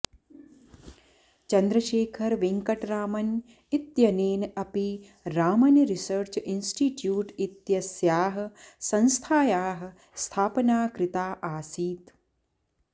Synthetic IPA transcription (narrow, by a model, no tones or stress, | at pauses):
t͡ʃɐnd̪ɾɐʃeːkʰɐɾʋiŋkɐʈɾaːmɐn | it̪jɐneːnɐpi | ɾaːmɐnɾisəɾt͡ʃinsʈiʈjuːʈit̪jɐsjaːɦɐ̆sɐ̃nst̪ʰaːjaːɦɐ̆ | st̪ʰaːpɐnaːkɾɪt̪aːʔaːsiːt̪